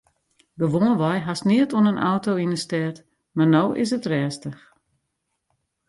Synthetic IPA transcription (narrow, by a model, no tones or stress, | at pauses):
ɡəʋoːnʋɔjɦasniətonənʔa̰wtowinəstɛt | marnowʔɪ̰s̬ətrɛːstəx